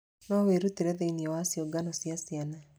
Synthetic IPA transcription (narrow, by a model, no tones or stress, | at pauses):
nɔweɾutiɾɛðeiniɛwasioɡanɔsjasiana